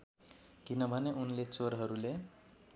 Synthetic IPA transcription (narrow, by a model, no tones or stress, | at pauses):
kinʌbʱʌneʔunlet͡soɾɦʌɾule